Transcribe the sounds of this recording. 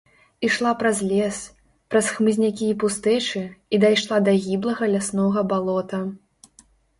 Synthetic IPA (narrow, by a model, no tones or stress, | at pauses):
iʂlˠapɾɐzʲlʲɛs | pɾɐsxmɨzʲnʲakʲiːpust̪ɛt͡ʂɨid̪ajʂlˠad̪ɐɣʲiblˠɐɣɐlʲasnɔɣɐbalˠɔt̪ɐ